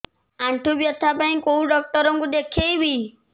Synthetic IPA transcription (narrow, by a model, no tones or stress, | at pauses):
aɳʈʰubjɔt̪ʰːapãj̃kouɖɔk̚t̪ɔɾɔŋkud̪ekʰejbi